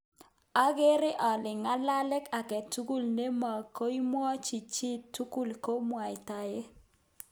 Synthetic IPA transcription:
a˦ɡe˦ɾɪ˦ʔɔ˨lɪ˨ŋa˦la˦lɪ˦ka˨kɛ˨tu˦ɡu˦˨lne˦ma˨ko˦i˦mwɔ˦t͡ʃi˨t͡ʃi˦tu˦ku˦lko˦mwa˨ɪ˨ta˨je˦

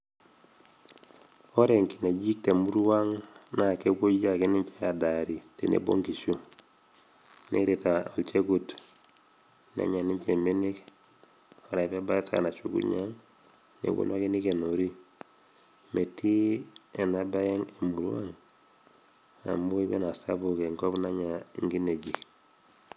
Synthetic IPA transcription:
ɔ˦ɾe˨ŋki˨ne˨d͡ʒi˦k̚te˨mu˦ɾwa˦ŋna˨ke˦ko˦ja˦˨ki˦ni˦ɲt͡ʃe˦ja˨da˨ɾi˨te˨nḛ˨bo̰˦ŋki˨ʃu˦ | ne˦ɾe˨ta˨o˨lt͡ʃe˦ku˨t | nḛ˦ɲa˨ni˦ɲt͡ʃe˨mi˦ni˦k | o˨ɾa˨i˨βa˦ba˦t͡sa̰˨na˨t͡ʃṵ˨kṵ˦ɲaŋ | nḛ˨kwo̰˦nwa˦ke˦ni˦ke˨no˨ɾi˦ | me˨ti˦e˨na˦ba˦jɛ˦ŋe˨mu˨ɾu˦a˦ŋ | a̰˨mbo˦i˦βɛ˦na˨saβu˨ke˨ŋkɔ˦βna˦ɲa˨ŋɡi˦ne˨d͡ʒi˨k

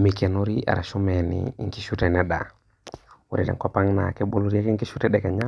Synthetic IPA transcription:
mi˨kɛ˨no˦ɾi˦ʔa̰˨ɾa˨ʃu˦mɛ˨nḭ˨˦ŋki˦ʃu˦tɛ˨nɛ˦ɗa̰˨ | u˨ɾi˨dɛ̰˨ŋ˦kɔ˦pa˦ŋna̰˨kɛ˦bo˦lu˦ɾi˦a˦kɛ˦ŋki˦ʃu˦tɛ˦ɗɛ˨kɛ˨ɲa˦

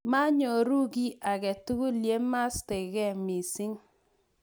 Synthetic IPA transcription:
ma˦ɲɔ˨ɾu˦ɡi˦a˨ɣɛ˨tu˦ɣu˦lje˦ma˦ste˨ɣɛ˦˨mi˨sɪ˦ŋ

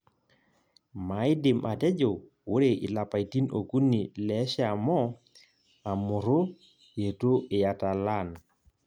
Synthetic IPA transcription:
ma˨ɪ˦dɪ˨mʔa˨tɛ˦d͡ʒo˨ | wo˦ɾe˨ʔɪ̰˨la˨pa˨i˨ti˦no̰˨ku˦ni˨lɛ˨˦ʃa˨mɔ˦ | a˨mʊ˨ɾo˦ | je˨to˦ʔɪ˨ja˨ta˨la˦˨n

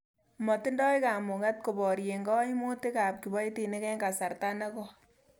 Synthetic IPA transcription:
mɔ˨tɪ˦ndɔ˦jka˨mʊ˨ŋa˦t̚ko˨bɔ˨ɾje˨ŋɡɔ˦jmo˦ti˦ka˨p̚ki˨bɔ˦jti˨ne˦kɛ˦ŋɡa˨sa˨ɾta˦nɛ˦kɔ˦

